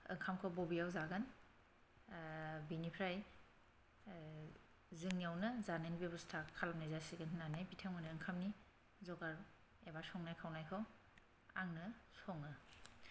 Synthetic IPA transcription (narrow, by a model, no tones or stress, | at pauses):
ɯ̰ŋkʰamkʰɔbɔbijawzaɡan | binipʰɾaj | zɯŋjawnɯzanenbebɔstʰakʰalamnajzasiɡɯnɦɯnanajpitʰamɯnɯɯŋkʰamni | zɔɡaɾ | ebasɔŋnajkʰawnajkʰɔ | aŋnɯsɔŋɯ